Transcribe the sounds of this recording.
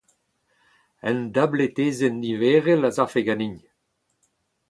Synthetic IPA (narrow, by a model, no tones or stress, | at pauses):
ɛnd̪ablet̪eːzenːiveːʁelazafeɡaniɲ